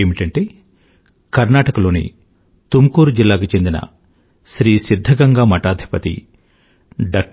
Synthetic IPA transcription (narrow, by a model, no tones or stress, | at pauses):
eːmiʈɐɳʈeː | kɐɾnaːʈɐkɐlo̞ːnḭ | t̪umkuːɾud͡ʒilːaːkut͡ʃe̞nd̪inɐ̰ | ʃɾiːsid̪ʱːɐɡɐŋɡamɐʈaːd̪ʱi̥pɐt̪ḭ | ɖɐːk̚